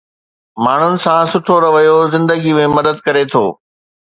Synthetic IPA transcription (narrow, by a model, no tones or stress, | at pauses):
maːɳ̤ʊnɪ̆sãsʊʈʰoɾɐʋɐjozɪ̃nd̪əɡimẽmɐd̪əd̪̚kɐɾet̪ʰoː